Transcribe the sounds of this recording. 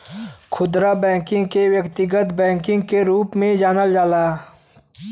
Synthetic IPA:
kʰʊd̪ɾabɛ̃ːŋkɪ̃ŋɡkewjəkt̪ɪɡət̪bɛ̃ːŋkɪ̃ŋɡ̚keɾuːpmẽd͡ʒaːnəld͡ʒaːlaː

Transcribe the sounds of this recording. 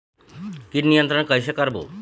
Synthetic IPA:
kiʈnijənt̪ɾəɳkəjɕekəɾbo̰

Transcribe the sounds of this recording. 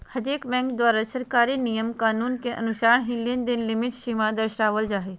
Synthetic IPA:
hɐd͡ʒeːkbɛ̃ːŋkd̪waːɾasəɾkaːɾinijəmkaːnuːnkeʔɐ̰nʊʃaːɳ̃ɦillend̪ɪnlɪmɪʈʃiːmãd̪əɾʃaːʋəld͡ʒaːɦeː

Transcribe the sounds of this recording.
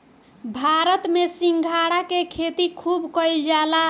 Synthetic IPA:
bʱaɾət̪mesiŋɡʱaɽakekʰet̪ikʰubkəjld͡ʒala

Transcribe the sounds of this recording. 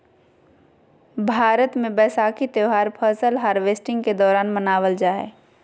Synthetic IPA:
bʱaːɾət̪mẽbɛːsaːkit̪joːɦaːɾpʰəɾsəlɦaːɾʋeːsʈɪ̃ŋɡked̪ɔːɾaːnmənaːʋəld͡ʒaːḛː

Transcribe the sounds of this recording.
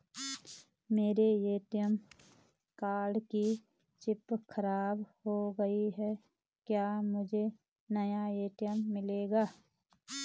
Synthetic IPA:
meːɾejeːʈ̪ijəm | kaːɾɖki | t͡ʃɪpkʰəɾaːbɦoɡəiɦɛ | kjaːmʊd͡ʒʱe | nəjaeːʈɪjəmːɪleːɡaː

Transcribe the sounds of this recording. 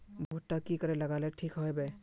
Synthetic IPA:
bʱoʈːakikəɾɛləɡalɛʈʰikɦɔjbɛ

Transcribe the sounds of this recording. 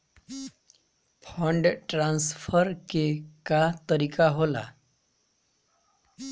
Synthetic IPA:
pʰəɳɖʈɾansfəɾkekat̪əɾikaɦola̰

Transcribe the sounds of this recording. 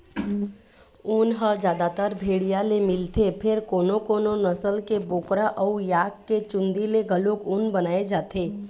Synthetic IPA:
unɦəd͡ʒjaːd̪at̪əɾbʱeːɽijalemɪlt̪epʰɪɾkoːnokoːnonəsəlkeboːkɾaʔəujaːkkːet͡ʃʊ̃nd̪ileɡəlokunbənaːed͡ʒaːt̪eː

